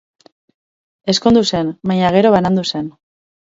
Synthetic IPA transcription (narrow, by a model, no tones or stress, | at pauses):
e̞skond̪use̞nmajɲaɣ̞e̞ɾo̞βanand̪use̞n